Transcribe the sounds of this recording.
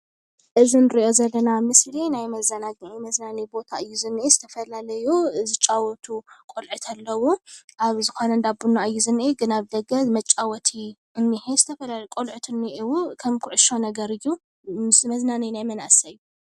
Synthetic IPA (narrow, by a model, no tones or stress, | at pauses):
ʔɨzinɨɾiʔo̞zɐlːɐnamɨslinajmɐzɐnaɡʕimɐznanibo̞t̪ʰaʔɨjːuzɨnʔezɨt̪ʰɐfɐlalɐjuzɨt͡ʃʼawɔt̪ʰukʼolʕɨt̪ʰalːɐwuʔaβzɨxonɐnd̪abunːaʔɨjːuzɨnːʔeɡɨnaβd̪ɐɡɐzmɐt͡ʃʼːawɔt̪ʰi | ɨnːihezɨt̪ʰɐfɐlalkʼolʕɨt̪ʰɨnːiʔiwukʰɐmkʰuʕʊʃo̞nɐɡɐɾɨjːu | ɨsɨmɐznaninajmɐnʔasajːu